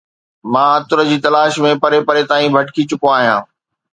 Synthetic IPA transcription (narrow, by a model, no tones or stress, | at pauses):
mãːɐt̪ʊɾəd͡ʑiːt̪ɐlaːʃmẽpɐɾepɐɾet̪aːĩbʱɐʈkit͡ɕʊkõaːɦijãː